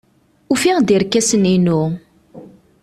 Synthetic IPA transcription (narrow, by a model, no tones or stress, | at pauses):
ufiʁd̪iɾkːæsəninu